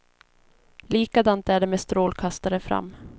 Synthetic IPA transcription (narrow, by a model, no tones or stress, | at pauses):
liːkad̪ant̪æɖɛmest̪ɾoːlkʰast̪aɾəfɾa̰mː